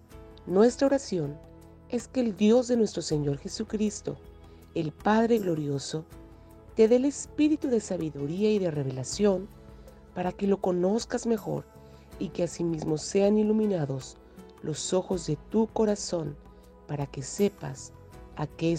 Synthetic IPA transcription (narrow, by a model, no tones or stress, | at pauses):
nwe̞st̪ɾao̞ɾasjo̞n | e̞ske̞ːld̪jo̞zðe̞nwe̞st̪ɾo̞se̞ɲo̞ɾxe̞sukɾist̪o̞̰ | e̞lpaðɾeɣlo̞ɾjo̞so̞ | t̪e̞ðe̞le̞spiɾit̪uðe̞saβiðuɾiaiðe̞re̞β̞e̞lasjo̞n | paɾake̞lo̞ko̞no̞skazme̞xo̰ɾ | ike̞asimizmo̞se̞anilumĩnaðo̞s | lʔo̞so̞xo̞zðe̞t̪uko̞ɾaso̞n | paɾake̞se̞pa̰s | ake